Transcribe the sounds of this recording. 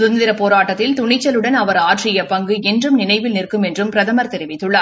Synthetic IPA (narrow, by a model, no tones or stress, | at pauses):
sʊnd̪ɪɾɐpːoːɾaːʈːɐt̪ːɪlt̪ʊɳɪt͡ʃːɐlɯɽɐnɐʋɐɾaːʈrɪjɐpɐŋɡɯɛndrɯmnɪnɐɪʋɪlnɪrkːɯmɛndrɯmpɪɾɐðɐmɐɾt̪ɛɾɪʋɪt̪ːɯɭːaːɾ